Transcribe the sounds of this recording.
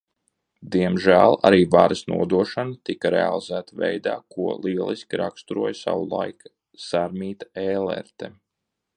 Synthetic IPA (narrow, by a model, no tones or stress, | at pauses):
d̪iɛmʒæːlˠa̰ɾiːvaɾəsnṵɔd̪uɔʃanat̪ikaɾḛa̰lˠizæːt̪avɛ̰jd̪a̰ːkuɔlˠiɛlˠiskʲiɾakst̪uɾuɔjsa̰wulˠa̰jk | saɾmiːt̪ḁeːlɛ̰ɾt̪e